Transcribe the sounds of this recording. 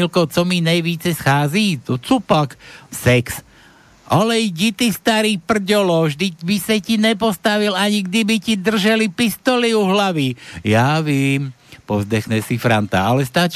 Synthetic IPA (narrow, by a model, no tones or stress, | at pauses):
ilkɔʊt͡sɔminajʋiːt͡sɛsxaːzit̪ɔt͡supaksɛks | ʔɔlɛjɟit̪ist̪aɾiːpr̩ɟɔlɔʒd̪ibisacinɛpɔst̪aʋilaɲiɡd̪ibicid̪r̩ʒalipist̪ɔliuɦlaʋijaːʋjɛːm | pɔzd̪ɛxɲɛsifɾant̪a̰alɛst̪at͡ʃ